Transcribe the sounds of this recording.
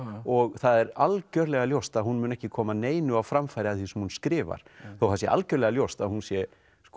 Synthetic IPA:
ɔɣθaðɛɾalcœɾlɛɣaljowst̪aðhunmʏnɛhcɪkʰɔːmaneːjnʏawfɾamfajɾɪaðθisɛmhunskɾɪːva̰ɾ̥θowhasjɛʔa̰lcœɾlɛɣaljowst̪aðhunsjɛ | sk

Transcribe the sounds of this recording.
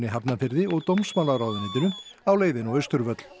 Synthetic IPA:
nɪɦapnafɪɾðɪɔɣt̪owmsmaːlaɾawðʏnɪt̪ɪnʏmawleːjðɪnɔɣœɥst̪ʏɾvœt̪l̥

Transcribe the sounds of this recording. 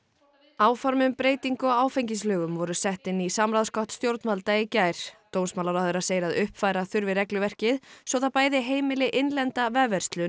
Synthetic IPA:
aːwfɔɾmʏmpɾeːjt̪iŋkʏawaːwfejɲcis̬lœːɣʏmvɔɾʏsɛht̪ɪnːisamɾaðskɔht̪st̪jowɾt̪nvalt̪aicajɾ̥t̪ownsmaːlaɾaʏɾaseːjɾaðʏhpfaːjɾaθʏɾvɪɾɛklʏvɛr̥cɪðsɔθapaːjðɪɦeːjmɪlɪʔɪnlɛnt̪avɛːvɛɾ̥st̪lʏn

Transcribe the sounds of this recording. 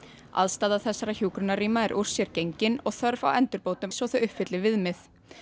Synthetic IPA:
a̰ðst̪aːðaθɛsːaɾaçjuːkɾʏnaɾiːmaɛɾʔuɾ̥sjɛɾcejɲcɪnɔɣθœɾva̰wɛnt̪ʏɾpoːwt̪ʏsɔwθʏʏhpfɪt̪lɪvɪðmɪθ

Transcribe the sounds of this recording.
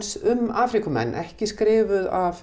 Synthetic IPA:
sʏmaːfɾikʏmɛ̰nːʔɛhcɪskɾɪːvʏðaf

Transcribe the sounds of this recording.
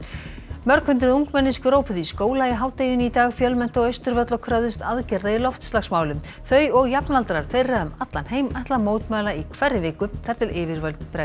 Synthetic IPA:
mœɾkʰʏnt̪ɪðuŋkmɛnːɪskɾoːwpʏðiskoːwlaiɦaːwt̪eːjʏnit̪aːɣfjœlmɛnt̪ɔɣeɥjst̪ʏɾvœt̪lɔkʰɾaːwðɪst̪aðcɛɾðaɪlɔft̪st̪laxsmaːwlʏm | θœɥɔɣjapnalt̪ɾaɾ̥θejrːaɛmat̪lanheːjmaht̪lamoːwt̪maːlaikʰvɛrːɪvɪːkʏθɛɾ̥t̪ʰɪlɪːvɪɾvalt̪pɾa

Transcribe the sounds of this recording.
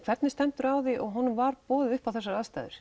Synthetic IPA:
kʰvɛt̪nɪst̪ɛnt̪ʏɾawðɪʔɔɣɦɔnːʏmvaɾpɔːðɪðʏhpawθɛsːaɾaðst̪a̰jðʏ̰ɾ̥

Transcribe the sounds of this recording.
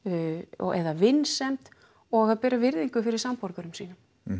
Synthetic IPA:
ɔ̰ɛ̰ðavɪnːsɛmt̪ | ɔɣaðpɛːɾavɪɾðiŋkʏfɪɾɪɾ̥sampɔɾkaɾʏmsiːnʏm

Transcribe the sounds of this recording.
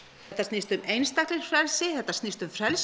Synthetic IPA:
ɛt̪ːastnɪst̪ʏmejnst̪aklɪɾ̥fɾɛlsɪθɛht̪ːast̪nɪst̪ʏmfɾɛls

